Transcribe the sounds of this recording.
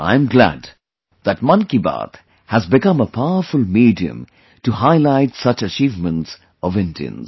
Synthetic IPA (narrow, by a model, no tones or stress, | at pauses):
ʔã̰ɪ̃mɡlæ̰d | ðæʈ̚mʌ̃nkiba̰t̪ | hæzbɪkʌ̃məpʰaʊəɾfʊlmiːdiɨ̰̃m | tuhaɪlaɪʈsʌt͡ʃət͡ʃiːvmə̃nts | ɔvɪ̃ndḭɨ̰̃nz̥